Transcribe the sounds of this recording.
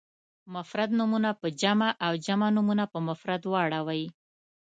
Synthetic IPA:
mʊfɾad̪numunapəd͡ʒamaʔawd͡ʒamanumunapəmafɾad̪wɑɽawɑji

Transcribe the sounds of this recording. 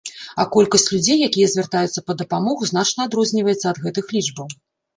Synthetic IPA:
ɐkɔlʲkɐsʲt͡sʲlʲud͡zʲejːakʲijɐzʲvʲɛrt̪ajut̪sːɐpɐd̪ɐpamɔɣuzn̪at͡ʂnɐːd̪ɾɔzʲnʲivɐjɛt̪sːɐːd̪ɣɛt̪ɨxlʲid͡ʐbɐw

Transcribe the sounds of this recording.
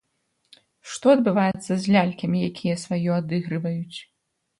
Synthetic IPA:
ʂt̪ɔɐd̪̚bɨvajɛt̪sːɐzʲlʲalʲkʲɐmʲijakʲʰijɐsvajɔad̪ɨɣɾɨvɐjut͡sʲ

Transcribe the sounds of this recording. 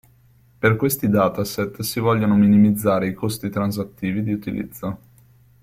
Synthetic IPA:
perkwest̪id̪aːt̪aset̪ːsivɔʎːonominimid̪zːaːɾeikost̪it̪ɾans̬at̪ːiːvid̪iut̪ilḭd̪zːo

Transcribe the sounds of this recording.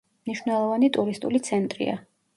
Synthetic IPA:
mniʃwnɛlˠɔvanit̪ʼuɾist̪ʼulit̪sʰɛnt̪ʼɾḭa̰

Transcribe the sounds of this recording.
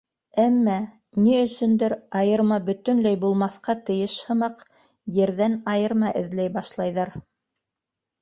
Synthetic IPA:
æmːæ | niɵ̆sɵ̆nd̪ɘɾɑjɤ̆ɾmɑbɵ̆t̪ɵ̆nlæjbulˠmɑθqɑt̪ɤ̆jɤʃhɤ̆mɑq | jɘ̆ɾðænɑjɤ̆ɾmɑʔɘ̆ðlæjbɑʃlˠɑjðɑɾ

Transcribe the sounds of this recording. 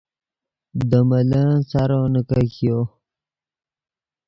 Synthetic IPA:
d̪əmələt͡saɾonəkakjo

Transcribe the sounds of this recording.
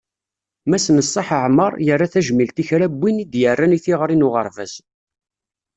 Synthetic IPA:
mæsnəsˤːɑħəʕmə̰ɾˤjərˤːaθæʒmilt̪içɾæbːinid̪jərːæniθiʁɾˤinʊʁə̰ɾˤvə̰z

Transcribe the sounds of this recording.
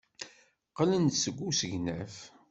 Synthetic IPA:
qələnsəɡʷːusəʝnæf

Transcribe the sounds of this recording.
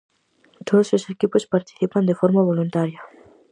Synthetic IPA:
t̪oðososekipospaɾt̪i̥θipand̪efoɾmaβ̞olunt̪aɾjɐ

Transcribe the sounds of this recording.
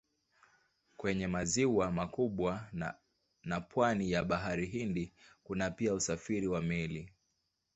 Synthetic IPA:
kwɛɲɛmaziwamakuɓwa | napwanijaɓaɦaɾiɦindikunapiausafiɾiwamɛli

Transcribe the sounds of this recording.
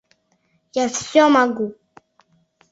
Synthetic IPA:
jafsjɔmaɡu

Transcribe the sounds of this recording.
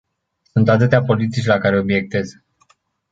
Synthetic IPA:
sunt̪at̪ɨt̪eapo̞lit̪it͡ʃʲlakaɾe̞o̞bije̞k̚t̪e̞z

